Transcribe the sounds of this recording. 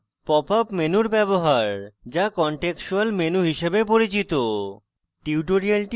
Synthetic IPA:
pɔpʰapmenuɾbɛboɦaɾd͡ʑakɔɳʈekʃualmenuɦiʃebepoɾit͡ɕit̪o | ʈiwʈoɾialʈ

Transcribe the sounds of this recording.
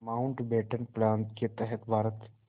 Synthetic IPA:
maːʊɳʈbeːʈənplaːnt̪ket̪ɛɦət̪bʱaːɾət̪

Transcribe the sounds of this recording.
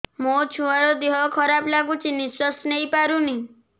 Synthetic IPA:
mot͡ʃʰũaɽɔd̪iɦɔkʰɔɾablaɡũt͡ʃiniswɔsneipaɾũni

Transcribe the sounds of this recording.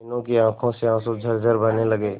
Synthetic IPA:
ɪnõkiãːkʰõseãːsod͡ʒʱəɾd͡ʒʱəɾbəneləɡeː

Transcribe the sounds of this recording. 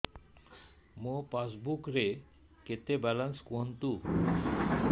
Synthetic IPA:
mopasbukɾe | ket̪ebɛlanskoɦənt̪u

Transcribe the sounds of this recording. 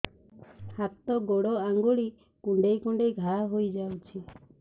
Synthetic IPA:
hat̪ɔɡoɽɔaŋɡuɽi | kuɳɖejkuɳɖejɡʱaɦojd͡ʒawt͡ʃʰi

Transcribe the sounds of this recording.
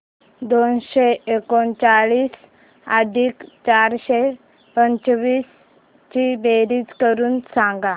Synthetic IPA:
d̪onɕeekont͡saɭiːs | ad̪ʱiːkt͡ɕaɾɕe | pəɲt͡ɕʋiːs | t͡ɕibeɾiːt͡skəɾuːnsaŋɡa

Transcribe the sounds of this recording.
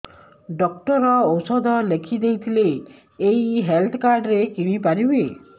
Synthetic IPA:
ɖɔk̚ʈɔɾɔːwsɔd̪ʱɔlekʰid̪ejt̪ʰileː | jɦelt̪ʰɔkaɾɖɾekim̃ipaɾibe

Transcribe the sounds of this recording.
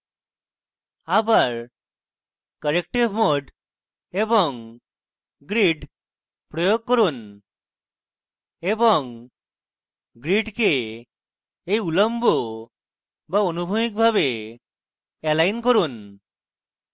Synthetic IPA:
abaɾ | kəɾek̚ʈibʱmoɖ | ebɔŋ | ɡɾiɖ | pɾɔjoɡ̚kɔɾun | ebɔŋ | ɡɾiɖke | ejulɔmbʱo | baonubʱumik̚bʱaβe | ɛlajnkɔɾun

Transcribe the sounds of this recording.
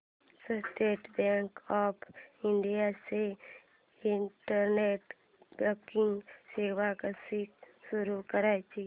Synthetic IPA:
səsʈ̪eːʈbẽŋkɔːpʰɪɳɖijase | ɪɳʈəɾneːʈ | bəkɪ̃ŋɡseːwakasik | sʊɾukəɾat͡ʃ

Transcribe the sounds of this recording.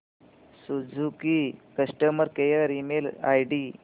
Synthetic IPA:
sud͡zʱukikəsʈəməɾkejəɾimela̰jɖi

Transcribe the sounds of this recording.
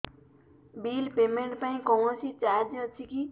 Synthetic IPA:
bilpemeɳʈpaĩkɔɦõsit͡ʃaɾd͡ʒʌt͡sʰiki

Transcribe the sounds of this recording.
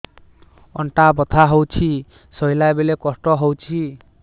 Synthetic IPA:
ɔ̰ɳʈabɔt̪ʰaɦowt͡ʃʰi | sɔjlaebelekɔsʈɔɦowt͡ʃʰi

